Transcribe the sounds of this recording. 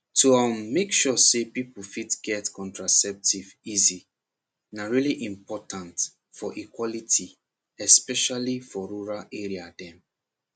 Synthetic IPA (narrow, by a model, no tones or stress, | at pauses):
tuamːekʃɔsepiplfitɡ̥ɛtkʰɔ̃ntɹasɛp̚tivizi | naɹiliʔĩmpɔtãnt | fɔʔikwɔlitʰi | ɛspɛʃalifɔɹuɹaleɹiadɛ̃m